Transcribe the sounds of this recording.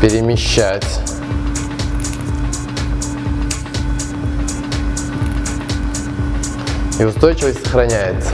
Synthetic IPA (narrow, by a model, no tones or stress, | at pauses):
pʲɪɾʲɪmʲɪɕːætʲ | iʊst̪o̞jt͡ɕɪvəsʲtʲsəxɾɐnʲæjɪt̪sə̥